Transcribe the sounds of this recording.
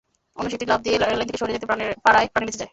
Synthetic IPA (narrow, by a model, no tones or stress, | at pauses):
onuʃit̪iɾlab̚d̪ielant̪ʰikeʃoɦɾied͡ʑet̪epanepaɾaepɾaniɾbit͡ɕʰed͡ʑae